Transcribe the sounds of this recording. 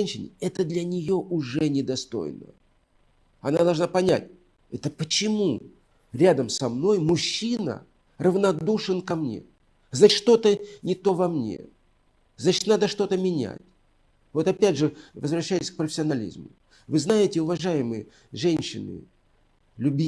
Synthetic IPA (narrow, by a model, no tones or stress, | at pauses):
nʲɕɪnʲɪɛt̪əd̪lʲɐnʲɪjo̞ʔʊʐɛnʲɪd̪ɐst̪o̞̰jnə̰ | ɐnaɐd̪ɐlˠʐnapɐnʲæ̰tʲ | ɛt̪əpət͡ɕɪmu | ɾʲad̪əmsɐmno̞jmʊɕːinə̰ | rəvnɐd̪uʂɨnkɐmnʲe̞̰ | znat͡ɕʲʂt̪o̞t̪ənʲɪt̪o̞vɐmnʲḛ | znat͡ɕɪ̥t̪nad̪əʂt̪o̞t̪əmʲɪnʲæ̰tʲ | vo̞t̪ɐpʲædʲʐɨvəzvɾɐɕːæjɪsʲk̚pɾəfʲɪsʲɐnɐlʲḭzmʊ̰ | vɨznajɪtʲɪʊvɐʐajɪmɨjə | ʐɛnʲɕːɪnɨ̰ | lʲʊbʲi